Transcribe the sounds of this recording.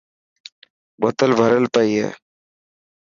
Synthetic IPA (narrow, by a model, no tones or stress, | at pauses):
ɓot̪əlbʱəɾəlpəiːḛː